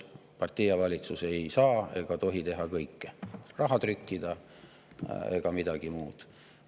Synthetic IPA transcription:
pɑrt̪ːijɑvɑlʲit̪suse̞jsɑːe̞̰ɡ̥ɑt̪o̞ɦit̪e̞ɦɑkɤjkːerɑɦɑt̪rykːid̪̥ɑ | e̞̰ɡ̥ɑmid̪̥ɑɡ̥imuːd̪̥

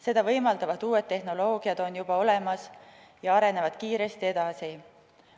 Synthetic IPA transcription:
se̞d̪̥ɑvɤ̞jmɑld̪̥ɑvɑd̪uːe̞t̪ːe̞ɦno̞lo̞ːɡ̥iɑd̪̥o̞njub̥ɑo̞le̞mɑs | jɑɑɾe̞ne̞vɑd̪̥kiːɾe̞st̪ie̞d̪̥ɑsi

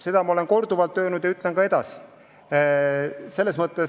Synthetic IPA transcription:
se̞d̪̥ɑmɑo̞le̞nko̞rd̪uvɑlt̪ːˑø̞ːnud̪̥jɑyt̪ːˑlenkɑe̞d̪̥ɑsi̥ | se̞lːe̞smɤt̪ːˑe

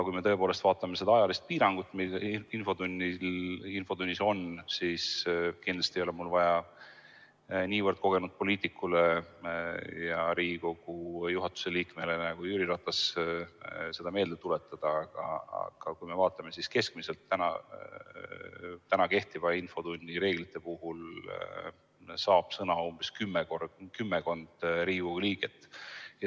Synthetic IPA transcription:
kujmeɤ̞e̞poːlest̪vɑːt̪ːˑɑme̞se̞d̪̥ɑɑjɑlist̪̚piːɾɑŋɡ̥ut̪ːˑmiinfo̞d̪unʲːiinfo̞d̪unʲːiso̞nsiskind̪̥lɑst̪iejo̞lemulvɑjɑ | niːvərd̪̥̚ko̞ɡ̥e̞nud̪̥̚po̞liːt̪ˑikːˑule | jɑɾiːɡiko̞ɡ̥ujuɦɑt̪ːˑu̥se̞liːkme̞le̞næɡ̥ujyɾiɾɑt̪ːɑs | se̞d̪̥ɑme̞ːld̪̥et̪ːule̞t̪ːˑɑd̪̥ɑɑɡ̥ɑ̰ɑ̰ɡ̥ɑkujme̞vɑːt̪ːˑɑme̞siskeskmise̞lt̪ːænɑ̰ | t̪ænɑke̞ht̪ivɑinfo̞d̪unʲːiɾe̞ːɡ̥lit̪ˑːe̞puhul | sɑːb̥sɤnɑomb̥eskymːɛkorkymːeko̞nd̪̥ɾiːiko̞ɡuliːɡ̥e̞t̪ːˑje

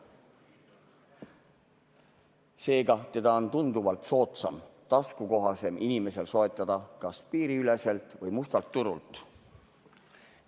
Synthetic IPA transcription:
se̞ːɡɑt̪e̞d̪̥ɑo̞nt̪und̪uvɑlt̪so̞ːt̪sɑmt̪ɑskuko̞ɦɑse̞mʔinime̞se̞lso̞et̪ˑːɑd̪̥ɑkɑspiːɾiyle̞se̞lt̪ˑvɤjmust̪ɑlt̪ːuɾult̪ˑ

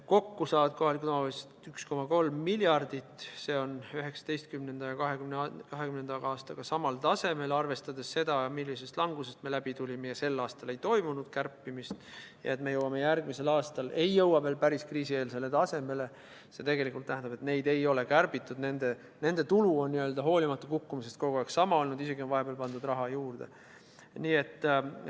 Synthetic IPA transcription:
ko̞kːusɑːvɑd̪̥̚ko̞ɦɑlikut̪ɑstt̪yksko̞mɑko̞lmːiljɑrd̪̥it̪ːse̞ːo̞nyɦe̞ksɑ̥d̪e̞jst̪̚kymnend̪̥ɑjɑkɑɦekymnɑkɑɦekymnenɑ̥ɑːst̪ɑɡ̥ɑsɑmɑlt̪ɑse̞me̞lɑrve̞st̪ɑd̪e̞sse̞d̪̥ɑjɑmilʲːise̞st̪lɑŋɡ̥use̞st̪me̞læb̥it̪ulʲime̞jɑse̞lːɑːst̪ɑle̞jt̪o̞jmunud̪̥kærpːimist̪jɑ̰et̪me̞jɤwɑme̞jærɡmise̞lɑːst̪ɑlʔe̞jːɤwɑve̞ːlpæɾiskriːsie̞ːlse̞le̞t̪ɑse̞me̞le̞ | se̞t̪e̞ɡe̞likːˑult̪næɦænd̪ɑbe̞t̪ne̞jd̪e̞jo̞le̞kærbit̪ːˑud̪ne̞nd̪e | ne̞nd̪e̞t̪uluonːiøld̪ɑɦo̞ːlimɑt̪ːukukːumise̞st̪ko̞ɡ̥ueksɑmɑo̞lnud̪ise̞ɡio̞nvɑɦe̞beːlpɑnd̪ud̪rɑɦɑjuːrd̪̥e̞̰ | niːe̞t̪ː

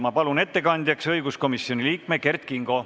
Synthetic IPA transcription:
mɑpɑlune̞t̪ːe̞kɑnd̪ʲjɑksɤjɡ̥usko̞misjo̞nʲiliːkme̞ke̞rt̪kiŋɡ̥o̞

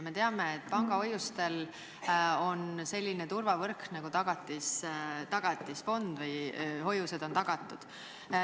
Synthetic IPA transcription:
me̞t̪e̞ɑme̞et̪̚ːˑpɑŋɡ̥ɑojust̪e̞l | o̞nse̞lʲːinet̪urvɑvɤrknɑɡut̪ɑɡ̥ɑt̪ːˑist̪ɑɡ̥ɑt̪ːˑisfo̞nd̪̥vɯjɦo̞juse̞d̪o̞nt̪ɑɡ̥ɑt̪ːˑud̪̥

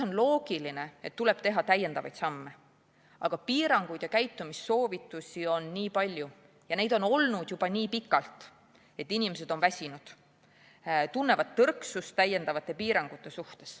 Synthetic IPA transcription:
o̞nlo̞ːɡ̥iline̞e̞t̪ːule̞b̥t̪e̞ɦɑt̪æje̞nd̪ɑvɑjt̪sɑmːe | ʔɑɡ̥ɑpiːɾɑŋɡ̥ujd̪jɑkæjt̪ːˑumisːo̞ːvit̪ːˑusʲio̞nːiːpɑlʲju | jɑne̞jd̪̥o̞no̞lnud̪̥jub̥ɑniːpikːˑɑlt̪ | e̞t̪ːˑinimes̬e̞d̪̥o̞nvæsʲinud̪̥ | t̪unːe̞vɑt̪ːɤrksust̪ːæjːe̞nd̪ɑvɑt̪ˑːe̞piːɾɑŋɡ̥ut̪ːˑe̞suht̪e̞s

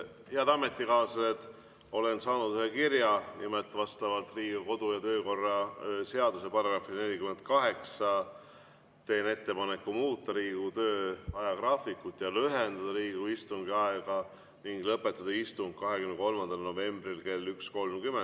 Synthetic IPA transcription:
heɑd̪̥ɑme̞t̪ːikɑːsset̪ | o̞le̞nsɑːnud̪̥yhekirjɑnimelt̪ːvɑst̪ɑvɑt̪riːɡ̥uko̞d̪̥ujɑt̪ø̞ːko̞rːɑse̞ɑd̪use̞pɑrɑɡrɑfine̞lʲikyment̪̚kɑɦe̞ksɑ | t̪e̞ːne̞t̪ːe̞pɑne̞kːumuːt̪ːˑɑɾiːɡut̪øːɑjɑkrɑːfikːut̪ːˑjɑlyɦend̪ɑd̪̥ɑɾiːɡ̥uist̪uŋɡiɑeɡ̥ɑ | niŋɡ̥lɤpːˑe̞t̪ːˑɑd̪̥ɑist̪uŋɡ̥̚kɑɦe̞kymneko̞lmɑnd̪̥ɑlno̞ve̞mbrilke̞lːyksko̞lmkymen

